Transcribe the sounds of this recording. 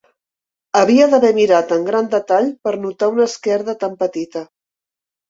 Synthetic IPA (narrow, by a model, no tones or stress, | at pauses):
əβiəðəβɛmiɾat̪əŋɡɾand̪ət̪aʎpəɾnut̪aunəskɛɾðət̪ampət̪it̪ə